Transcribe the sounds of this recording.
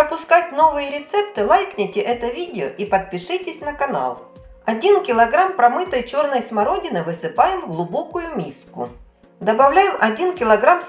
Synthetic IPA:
pɾəpʊskatʲno̞vɨjəɾʲɪt̪sɛp̚t̪ɨlˠajknʲɪtʲɪʔɛt̪əvʲidʲɪo̰ʔipət̪̚pʲɪʂɨtʲɪsʲnəkɐna̰lˠ | ɐdʲinkʲɪlˠɐɡɾampɾɐmɨt̪ɨjt͡ɕo̞rnəjsmɐɾo̞dʲɪnɨvɨsɨpajɪmɡlˠʊbokʊjʊmʲiskʊ̰ | d̪ɐbɐvlʲæjɪmʔɐdʲinkʲɪlˠɐɡɾams

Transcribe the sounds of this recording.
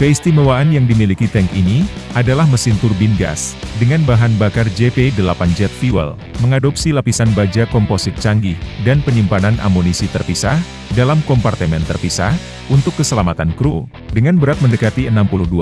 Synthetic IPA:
kəist̪imawaːnjaŋdimilikit̪ɛŋkini | ʔadalahməsint̪urbinɡa̰sdəŋanbaɦanbakard͡ʒepedəlapand͡ʒɛt̪̚fiwə̰l | məŋadɔp̚silapisanbad͡ʒakɔmposɪt̪̚t͡ʃaŋɡɪhdanpəɲimpananʔa̰monisit̪ərpisah | dalamkɔmpart̪əmɛnt̪ərpisa̰h | unt̪ʊkːəsəlamat̪ankɾu | dəŋanbəɾat̪̚məndəkat̪iənampuluhdua

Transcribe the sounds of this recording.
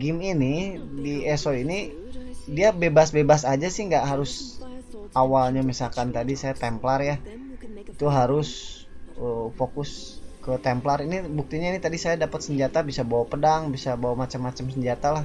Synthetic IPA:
ɡiminidiɛsoini | diabebasbebasad͡ʒasɪhŋɡaʔɦaɾʊs | awalɲamisalkant̪adisajat̪ɛmplarja | it̪uɦaɾʊs | əfokʊs | kət̪ɛmplaɾinibuk̚t̪iɲainit̪adisajadapət̪̚səɲd͡ʒat̪abisabawapədaŋbisabawamat͡ʃamːat͡ʃamsəɲd͡ʒat̪alah

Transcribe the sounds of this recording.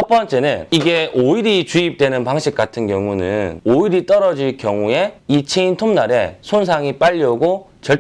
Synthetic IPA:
t͡ɕʰʌp͈ʌnt͡ɕ͈e̞nɯniɡe̞ʔoiɾit͡ɕuip̚t͈wenɯnpaŋɕʰik̚k͈atʰɯnkjʌŋunɯ̰noiɾit͈ʌɾʌd͡ʑiɭkjʌŋue̞it͡ɕʰeintʰomnaɾe̞sʰons̬ʰaŋip͈aʎːʌɡot͡ɕʌɭ

